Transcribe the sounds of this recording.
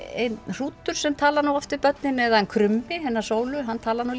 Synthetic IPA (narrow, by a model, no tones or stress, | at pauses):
ḛjnr̥uːt̪ʏɾ̥sɛmt̪ʰaːlaɾnuwɔft̪ɪɾpœt̪̚nɪnɛðaɛnkʰɾʏmːɪɦɛnːḁsoːwlʏɦanːt̪ʰaːlaɾnu